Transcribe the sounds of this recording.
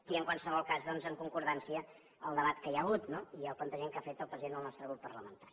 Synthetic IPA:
iəŋkwalˠsəβɔlˠkazðɔnzəŋkuŋkuɾðansiəː | lˠd̪əβat̪kəjəɣut̪noiəlˠplənt̪əʒeŋkafet̪əlˠpɾəziðend̪əlˠnɔst̪ɾəɣɾupːərləmənt̪aɾi

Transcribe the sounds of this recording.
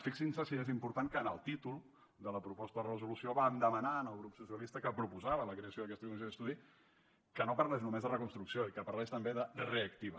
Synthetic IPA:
fiksinsəsiezimpuɾt̪aŋkəːnəlˠt̪it̪ulˠ | d̪ələpɾupɔst̪əðərəzulusioβaːnd̪əmənaənəlˠɣɾupsusiəlist̪əkəpɾupuzaβələkɾeəsjoðəkɛst̪əkumis̬oðəst̪uði | kənopəɾlɛʃnumezðərəkunst̪ɾuksioikəpəɾlɛʃt̪əmbeðəreəkt̪iβə

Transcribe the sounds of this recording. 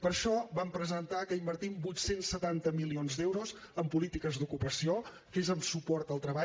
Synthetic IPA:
pəɾʃɔβampɾəzənt̪akəimbəɾt̪imbujt̪sensːət̪ant̪əmilionzd̪ɛwɾoz | əmpulit̪ikəzd̪ukupəsio | kezəmsupɔɾt̪əlˠt̪ɾəβa

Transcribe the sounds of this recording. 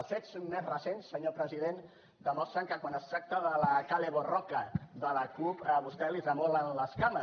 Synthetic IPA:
lˠsfet̪sonmezrəsensːəɲopɾəziðen | d̪əmɔst̪ɾəŋkəkwanəst̪ɾak̚t̪əðələkaleβorɔkəðələkupəβust̪ɛlizəmɔlənləskamə

